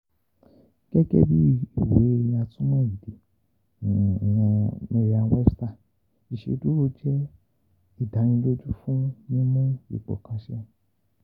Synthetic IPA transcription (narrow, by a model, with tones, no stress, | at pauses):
ɡ̥ɛ˦ɡɛ̰˧bi˦i˦˨we˨˦e˧j̃a˧tũ˦mũ˦˨i˨de˨ | wɔ̃˧me˧ɾi˧a˧wɛ˦sta˦˨ | i˨ʃḛ˧˦du˨˦ɾo˧˦d͡ʒɛ˦ | i˦˨da˨˦ñĩ˧lo˦d͡ʒu˦fũ˦nĩ˦mũ˦ḭ˨k͡pɔ̰˨kã˨˧ʃɛ˦